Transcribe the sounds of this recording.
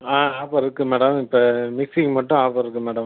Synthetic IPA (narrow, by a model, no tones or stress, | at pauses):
aːaːpɐɾɪɾɯkːɯmɛːɽɐmɪpːɐmɪksɪŋmɐʈːʊ̃aːpɐɾɪɾɯkːɯmɛːɽɐm